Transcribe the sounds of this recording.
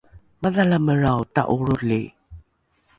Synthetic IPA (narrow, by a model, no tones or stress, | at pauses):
maðalaməɾawta̰ʔuɾuɮi